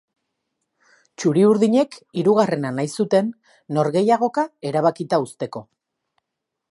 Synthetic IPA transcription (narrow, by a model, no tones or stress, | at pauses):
t͡ʃuɾiuɾðiɲe̞kiɾuɣare̞nanajsut̪e̞nː | o̞ɾɣe̞jaɣ̞o̞kae̞ɾaβ̞akit̪aust̪e̞ko̞